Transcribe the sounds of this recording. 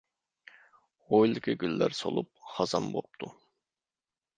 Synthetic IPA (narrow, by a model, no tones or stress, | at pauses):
ʁojlˠɨkʲʰiɡʲylːæɾso̰lˠup̚χɑzɑmbop̚t̪ʰu